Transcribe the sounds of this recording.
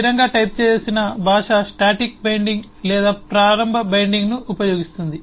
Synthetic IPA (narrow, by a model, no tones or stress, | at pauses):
ɾɐŋɡaːʈɐjp̚t͡ʃeːeːsinɐbʱaːʂasʈaːʈik̚bɐjɳɖiŋɡ | lɛːd̪aːpɾaːɾɐmbʱɐbɐjɳɖiŋɡnuʔupɐjo̞ːɡist̪und̪i